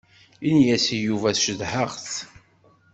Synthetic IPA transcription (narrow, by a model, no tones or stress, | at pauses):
injæsijuvæθʃəðħəʁθ